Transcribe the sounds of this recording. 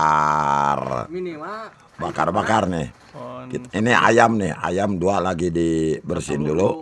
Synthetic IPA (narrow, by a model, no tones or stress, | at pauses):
ar | baka̰rbakarnɪh | kit̪inia̰jamnɪha̰jamdualaɡidibərsɪndulu